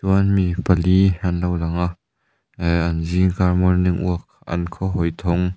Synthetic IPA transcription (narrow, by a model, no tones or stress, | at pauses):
t̪unmipɐlihanlɐwlɐŋaʔ | ɐnziŋkarmɔrnɪŋʔṵək̚ʔɐ̰nkʰɔɦɔjt̪ʰɔŋ